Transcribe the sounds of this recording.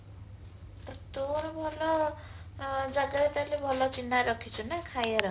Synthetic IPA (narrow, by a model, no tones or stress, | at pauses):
tʌt̪oɾbʱʌlʌ | d͡zaɡat̪aɾlebʱʌlʌt͡sinːaɾʌkʰːit͡sʰunakʰajeɾʌ